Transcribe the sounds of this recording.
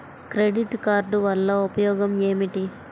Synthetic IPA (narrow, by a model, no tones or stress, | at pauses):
kɾeɖiʈkaːɾɖuʋɐlːɐupɐjɔːɡɐmeːmiʈi